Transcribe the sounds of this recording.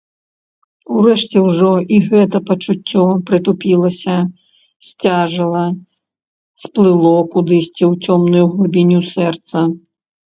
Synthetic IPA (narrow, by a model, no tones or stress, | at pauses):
urɛʂt͡sʲɛwʐɔʔiɣɛt̪ɐpɐt͡ʂut͡sʲːɔpɾɨt̪upʲilˠɐsʲɐ | sʲt͡sʲaʐɨlˠɐ | splˠɨlˠɔkud̪ɨsʲt͡sʲɛwt͡sʲɔmnujuɣlˠubʲinʲusɛrt̪sɐ